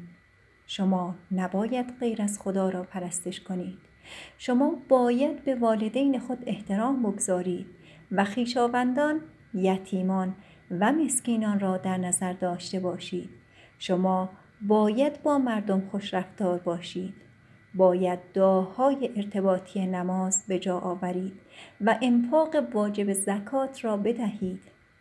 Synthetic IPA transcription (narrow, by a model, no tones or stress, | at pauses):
ʃomɒːnæbɒːjæd̪̥ɢe̞jɾæzxod̪ɒːɾɒːpʰæɾæst̪eʃkʰo̞niːd̪̥ʃo̞mɒːbɒːjæd̪be̞vɒːle̞d̪ejne̞xo̞d̪e̞ht̪ʰe̞ɾɒːmboɡozɒːɾiːd̪̥̚ | væxiːʃɒːvænd̪ɒːn | jæt̪ʰiːmɒːn | væmesciːnɒːnrɒːd̪æɾnæzæɾd̪ɒːʃt̪e̞bɒːʃiːd̪̥ | ʃomɒː | bɒːjæd̪bɒːmæɾd̪omxoʃɾæft̪ɒːɾbɒːʃiːd̪̥ | bɒːjæd̪̚ːɒːhɒːjeʔːɾt̪ʰe̞bɒːt̪ʰijenæmɒːzbe̞d͡ʒɒːʔɒːvæɾiːd̪̥væʔemfɒːɣe̞vɒːd͡ʒe̞bezækʰɒːt̪ʰrɒːbe̞d̪æhiːd̪̥